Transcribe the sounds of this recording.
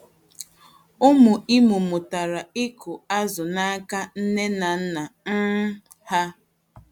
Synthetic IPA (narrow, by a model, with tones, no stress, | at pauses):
ʊ˦mʊ˨ʔɪ˦mʊ˨mʊ˨ta˨ɾa˨ɪ˦kʰʊ˨a˦zʊ˨na˦a˦ka˦n̩˦ne˦na˨n̩˦na˨n̩˦ | ha˦